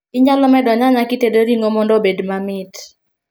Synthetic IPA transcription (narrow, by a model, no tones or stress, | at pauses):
ɪɲalɔmɛdɔɲaɲakitedoɾiŋomɔndɔbedmamɪt